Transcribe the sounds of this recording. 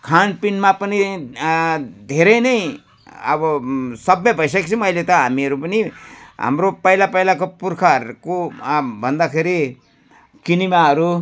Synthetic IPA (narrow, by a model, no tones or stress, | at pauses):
kʰanpinmapəni | d̪ʱeɾenəĩ | ə̰bʌsʌbːebʱəjs̬ekt͡ʃʰiməilet̪ʌɦamiɾupəniɦə̰mɾopəilapəilakopuɾkʰaɾkobʱənd̪akʰeɾi | kinimaaɾu